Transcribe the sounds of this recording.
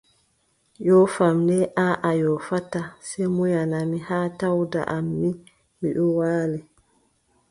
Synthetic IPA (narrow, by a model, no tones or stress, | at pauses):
jɔfamnɛʔaːʔajɔfatasɛmujanamihaːtawda̰ʔamːi | miɗɔwaːlɛ